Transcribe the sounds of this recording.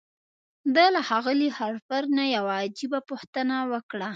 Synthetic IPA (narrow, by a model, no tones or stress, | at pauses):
d̪əlaxɑɣəlihaɾfaɾnajawaːd͡ʒibapoxt̪ənawəkɽa